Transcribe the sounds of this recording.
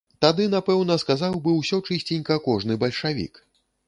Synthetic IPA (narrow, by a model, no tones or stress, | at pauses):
t̪ad̪ɨnapɛwnɐskazawbɨwsʲɔt͡ʂɨsʲt͡sʲinʲkɐkɔʐnɨbɐlʲʂavʲḭk